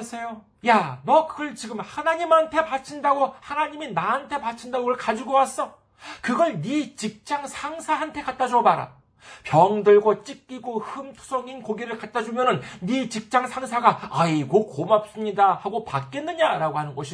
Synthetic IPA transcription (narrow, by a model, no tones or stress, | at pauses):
sʰejo | janʌkʰɯɭt͡ɕiɡɯmhanaɲimantʰe̞pat͡ɕʰindaɡohanaɲiminaantʰe̞pat͡ɕʰindaɡoɡʌɭkad͡ʑuɡowas͈ʌ | kɯɡʌɭnit͡ɕik̚t͡ɕ͈aŋsʰaŋsʰaɦantʰe̞kat͈̚ad͡ʑuʌbaɾa̰ | pjʌŋdɯɭɡʌt͡ɕ͈ik͈iɡohɯmtʰu̥sʰʌŋinkoɡiɾɯɭkat̚t͈ad͡ʑumjʌnɯnːit͡ɕik̚t͡ɕ͈aŋsʰaŋsʰaɡaaiɡok͈omap̚s͈ɯmɲidahaɡopak͈enːɯɲaɾaɡohanɯnɡʌɕʰi